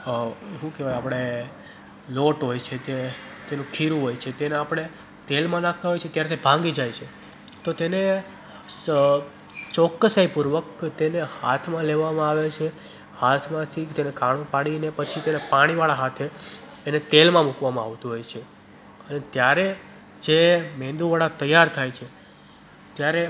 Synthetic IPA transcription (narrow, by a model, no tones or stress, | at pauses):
ɦũkeʋajapɽ̃e | loʈɦojt͡ʃʰet̪et̪enũkʰiɾũɦojt͡ʃʰet̪eneapɽ̃e | t̪elmãnak̚ʰt̪aɦojt͡ʃʰet̪jaɾet̪ʰibʱãŋɡid͡ʒajt͡ʃʰe | t̪ot̪ene | t͡ʃɔkːəsaipuɾʋəkt̪eneha̰t̪ʰmãleʋamãaʋet͡ʃʰe | hat̪ʰmãt̪ʰit̪enekaɽ̃õpaɽinepət͡ʃʰit̪enepaɽ̃iʋaɭaɦat̪ʰeː | net̪elmãmukʋamãa̰ʋt̪uɦojt͡ʃʰe | ənet̪jaɾe | d͡ʒemẽnd̪uʋaɭat̪əjaɾt̪ʰajt͡ʃʰe | t̪jaɾe